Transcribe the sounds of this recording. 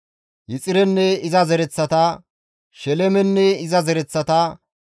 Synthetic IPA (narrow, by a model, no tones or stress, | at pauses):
jɪt͡sʼɪɾɛnːɛɪzɐzɛɾɛt͡sːɐt̪ɐ | ʃɛlɛmɛnːɛɪzɐzɛɾɛt͡sːɐt̪ɐ